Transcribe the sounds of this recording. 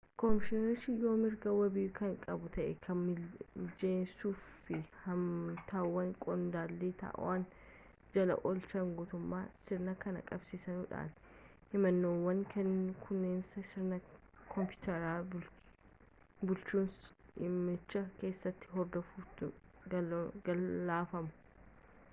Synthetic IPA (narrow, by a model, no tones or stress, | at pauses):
kɔmɪʃɪnɐɾʃɪjo̞ːmɪɾɡɐwɐbɪːkɐŋkʼɐbʊt̪ɐʔɛkʰɐnɪd͡ʒeːnsuːfɪhɐmt̪ʰaːwːɐŋkʼɔnd̪aːlːit̪ɐ̰ʔwan | d͡ʒɐlɐ̰ʔɔlt͡ʃɐŋɡʊːt̪ʊmːaːsɪɾnɐkɐnɐ̰kʼɐbsiːsɐnuːᶑa̰ːn | hɪmɐnːoːwːɐŋkɛnːkʰʊnːeːnsɐsɪɾnɐ | kʰɔmpjɪːt̪ɛɾaː | bʊlt͡ʃːuːnsɪmɪt͡ʃːɐke̞ːsːɐt̪ːɪ̥ɦɔɾd̪ɔfuːt̪ʊɐɐaːfɐmʊ̥